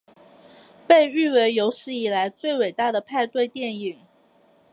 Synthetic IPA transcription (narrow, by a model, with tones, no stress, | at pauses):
pe˥˧ɪy˥˩we˧˥ɪjo˧˥ʊʂɻ̩˥˩i˨˩la˧˥ɪt͡swe˥˩ɪwe˨˩ɪt̪a˥˩d̪ə˩pʰa˥˧ɪt̪we˥˧ɪt̪jɛ˥˩ni˨˩˦ŋ